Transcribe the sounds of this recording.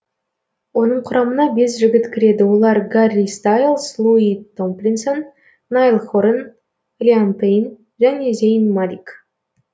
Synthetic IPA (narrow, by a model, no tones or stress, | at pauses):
wo̞nəɴqʰʊɾɑmənɑbe̞s̬ʒɪɡʲɪt̪kʲʰɪɾe̞d̪ɪwo̞lˠɑɾɡarʲist̪ajlˠslˠuit̪ːomplʲinsonː | ajlˠχoɾen | lʲiant̪ejn | ʒæne̞zʲejnmalʲik